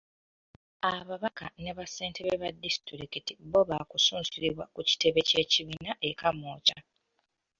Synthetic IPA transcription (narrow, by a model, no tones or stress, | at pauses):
aβaβakane̞βase̞ːnteβeβadːisi̥tiɾikitiβoβakusuːnsiɾiβwakuci̥te̞βe̞ce̞ːciβinaʔe̞kamoːca